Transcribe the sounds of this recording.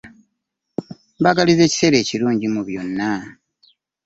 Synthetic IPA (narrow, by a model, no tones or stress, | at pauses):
baɡalize̞ːci̥se̞ɾe̞ːciɾuːɲɟimuβjo̞nːa